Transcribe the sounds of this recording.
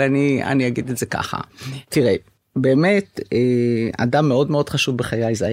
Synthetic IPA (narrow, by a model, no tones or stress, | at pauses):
ania̰niaɡid̪etze̞ka̰χa̰t̪iʁe | be̞ːme̞t̪ea̰damːeo̞dme̞o̞d̪̥χaʃuvbeχajajza